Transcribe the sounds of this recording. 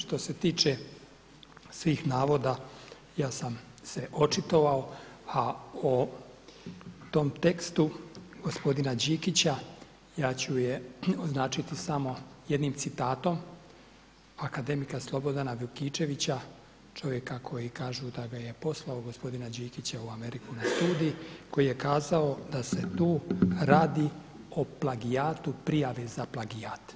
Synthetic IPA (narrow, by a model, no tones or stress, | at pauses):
ʃt̪o̞se̞t̪iːt͡ʃe | sʋiːxnaːʋo̞d̪a | jaːsam | seʔo̞t͡ʃit̪o̞ʋaoao | t̪o̞mt̪e̞kst̪uɡ̥o̞spo̞d̪inad͡ʑiːkit͡ɕa | jaːt͡ɕujeoznaːt͡ʃit̪isamo̞jed̪niːmt̪sit̪aːt̪o̞m | akad̪e̞mikaslˠo̞bo̞d̪anaʋukit͡ʃe̞ʋit͡ɕa | t͡ʃo̞ʋje̞kakʰo̞jikaːʒud̪aɡaje̞po̞slˠaoɡo̞spo̞d̪inad͡ʑiːkit͡ɕauame̞ɾikunast̪uːd̪ijiko̞jije̞kaːzao̞d̪ase̞t̪uːɾaːd̪i | oplˠaɡijaːt̪upɾijaʋezaplˠaɡijaːt̪